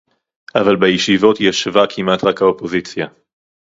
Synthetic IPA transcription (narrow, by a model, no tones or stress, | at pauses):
ʔavalbajiʃivot̪jaʃvakʰimat̪ʁakhaopozit͡sja